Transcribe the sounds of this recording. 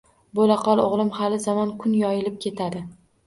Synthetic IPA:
bolaqʰɒlˠoʁlˠɪmhalɪzɒmɒnkʰʊnjɒjɪlɪp̚kʲʰe̞t̪ʰad̪ɪ

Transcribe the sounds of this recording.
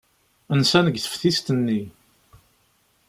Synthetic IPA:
ənsænəɡθə̥fθist̪ənːi

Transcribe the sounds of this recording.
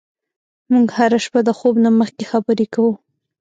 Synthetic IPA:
muɡhaɾaʃpad̪əxobnaməxkexabəɾekawu

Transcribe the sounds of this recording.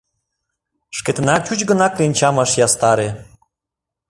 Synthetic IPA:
ʃket̪ə̆nɑk̚t͡ɕut͡ɕɡənɑklenʲt͡ɕɑmɑʃjɑst̪ɑɾe

